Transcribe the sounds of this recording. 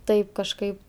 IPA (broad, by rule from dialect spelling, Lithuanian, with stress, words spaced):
ˈtɐɪp kɐʃˈkɐɪp